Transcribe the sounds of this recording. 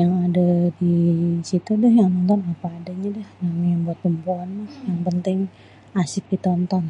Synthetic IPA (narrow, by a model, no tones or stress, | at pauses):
jaŋadadisit̪udɛhjaŋmənt̪ɔnapaːdaɲadɛhnamijaŋbuat̪ːumpuanlahjaŋpənt̪ɪŋ | asɪk̚dit̪ɔnt̪ɔn